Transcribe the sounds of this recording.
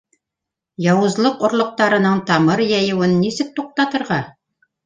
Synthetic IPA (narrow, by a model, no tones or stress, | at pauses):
jɑwɤ̆zlˠɤqŏɾlˠŏq̚t̪ɑɾɤ̆nɤɴt̪ɑmɤɾjæjɤ̆wɘnːisɘk̚t̪uq̚t̪ɑt̪ɤ̆ɾʁɑ